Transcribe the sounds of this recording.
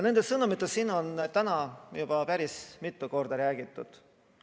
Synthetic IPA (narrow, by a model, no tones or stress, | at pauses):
ne̞nd̪̥esɤnumit̪ːˑesiːno̞nt̪ænɑjub̥ɑpæɾismit̪ːˑuko̞rd̪̥ɑɾæːɡ̥it̪ːˑud̪̥